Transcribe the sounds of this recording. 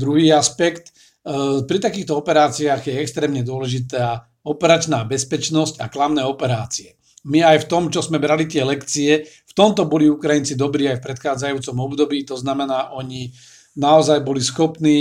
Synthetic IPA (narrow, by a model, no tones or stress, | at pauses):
d̪ɾuɦiːaspɛkt̪ | pɾit̪akiːxt̪ɔɔpɛɾaːt͡siaːɣjɛɛkst̪ɾɛːmɲɛd̪ʊɔlɛʒit̪aː | ɔpɛɾat͡ʃnaːbɛspɛt͡ʃnɔscaklamnɛːɔpɛɾaːt͡siɛ | miajft̪ɔmt͡ʃɔzmɛbɾalit̪ɪɛlɛkt͡siɛ | ft̪ɔmt̪ɔbɔliukɾajint͡sid̪ɔbɾiːajfpɾɛt̪xaːd͡zajuːt͡sɔmɔbd̪ɔbiːt̪ɔznamɛnaːʔɔɲi | naɔzajbɔlisxɔpniː